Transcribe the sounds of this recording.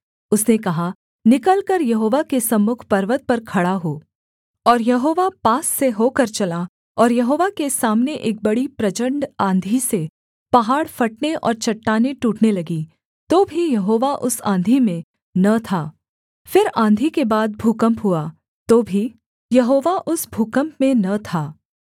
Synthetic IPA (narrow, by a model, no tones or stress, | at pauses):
ʊsnekɐɦa | nɪkəlkɐɾjɐɦoːʋakesɐmːʊkʰpɐɾʋət̪̚pɐɾkʰɐɽaɦoː | ɔːɾjɐɦoːʋapaːsːeɦoːkɐɾt͡ʃɐla | ɔːɾjɐɦoːʋakesaːmneʔeːk̚bɐɽipɾɐt͡ʃə̃ɳɖãːnd̪ʱise | pɐɦaːɽfɐʈ̚neʔɔ̰ːɾt͡ʃɐʈːaːneʈuːʈnelɐɡi | t̪oːbʱijɐɦoːʋaʔʊsãːnd̪ʱimẽ | nɐt̪ʰaː | fɪɾãːnd̪ʱikebaːd̪̚bʱuːkə̃mpɦua | t̪oːbʱi | jɐɦoːʋaʔʊsbʱuːkə̃mpmẽnɐt̪ʰaː